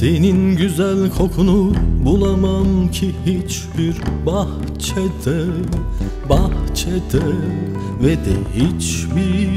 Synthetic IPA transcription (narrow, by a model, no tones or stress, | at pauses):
seninɟyzælʲkʰo̞kʰunubulˠamamcʰihit͡ʃ | biɾbah | t͡ʃʰɛd̪ɛ | baht͡ʃʰɛd̪ɛ | vɛd̪ɛhit͡ʃbi